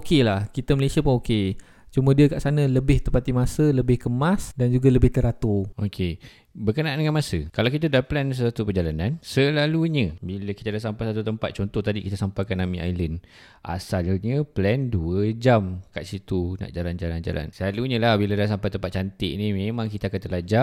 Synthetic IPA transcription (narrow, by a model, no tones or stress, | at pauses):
okelahkit̪əməlesiapʊnoke | t͡ʃumədiəkaʔsanələbɪht̪əmpat̪imasələbɪhkəmasdand͡ʒuɡaləbɪht̪əɾat̪ookʰe | bərkənaʔandəŋanmasəkalawkit̪̬adaplɛns̬əsat̪upəd͡ʒalanansəlaluɲəbilakit̪adasampajsat̪̬ut̪əmpat̪̚t͡ʃɔnt̪ɔht̪adikit̪asampajkanːamĩʔa̰jlən | ʔa̰salɲəplɛnduəd͡ʒamkaʔsit̪una̰ʔd͡ʒaland͡ʒaland͡ʒa̰la̰nsəlaluɲə̃lahbiladas̬ampajt̪əmpat̪̚t͡ʃant̪ɪʔnimemãŋkit̪aakant̪əlad͡ʒaʔ